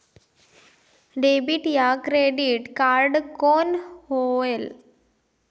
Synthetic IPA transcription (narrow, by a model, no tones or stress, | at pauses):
ɖebiʈjakɾeɖiʈkaɾɖkonhoel